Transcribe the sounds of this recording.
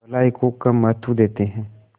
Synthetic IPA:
ɐlaːikokɐmːɐt̪ud̪eːt̪eɦɛ̃ː

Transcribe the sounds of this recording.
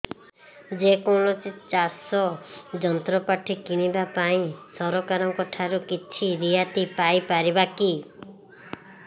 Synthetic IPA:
d͡ʒekoɭɔt͡ʃit͡ʃasɔd͡ʒɔnt̪ɾɔpaʈʰikiɽ̃ibapaĩsɔɾɔkaɾɔmkɔʈʰaɾukit͡ʃʰiɾiɦat̪ipajpaɾibaki

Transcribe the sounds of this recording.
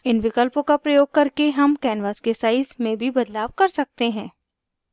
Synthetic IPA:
ɪnʋɪkəlpõkapɾɐjoːɡ̚kɐɾkeɦɐmkɛːnʋaːskesaːɪsmẽbʱibɐd̪laːʋkɐɾsɐk̚t̪eɦɛ̃ː

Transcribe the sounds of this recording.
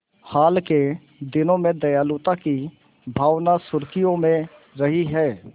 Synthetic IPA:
haːlke | d̪ɪnõmẽd̪ɐjaːlut̪aki | bʱaːʋnasʊɾkijõmẽ | ɾɐɦiɦɛː

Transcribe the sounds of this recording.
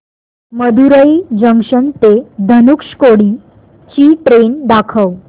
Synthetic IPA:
məd̪uɾəid͡ʑəŋʂənt̪ed̪ʱənukʂkoɽiː | t͡ɕiːʈɾend̪akʰəw

